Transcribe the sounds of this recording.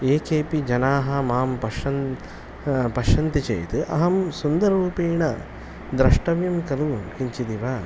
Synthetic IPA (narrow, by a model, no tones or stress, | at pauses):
eːkʰeːpid͡ʒɐnaːɦɐmaːmpɐʃɐn | pɐʃɐnt̪it͡ʃḛjt̪ɨʔɐ̰ɦɐmsund̪ɐɾɾuːpeːɳɐ | d̪ɾɐʂʈɐʋjɐmkɐluhiɲt͡ʃid̪iʋaː